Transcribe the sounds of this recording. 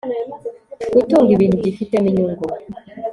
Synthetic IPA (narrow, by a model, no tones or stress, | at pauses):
kutuːŋɡiβiːn̥huɟifitemiɲuːŋɡo